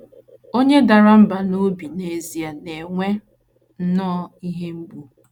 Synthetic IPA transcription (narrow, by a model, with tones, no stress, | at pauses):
o˦ɲe˦da˨ɾa˦m̩˦ba˨no˦bi˨ne˨zi˨a˨ne˨ŋʷe˦ | n̩˦nɔ˦i˦ɦe˦m̩˦bu˦